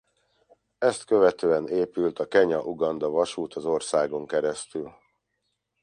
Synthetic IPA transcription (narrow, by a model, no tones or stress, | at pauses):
ɛst̪kø̞vɛt̪øːɛneːpylt̪ɒkɛɲɒʔuɡɒnd̪ɒvɒʃuːt̪ʰɒzo̞rsaːɡo̞ŋkɛɾɛst̪yl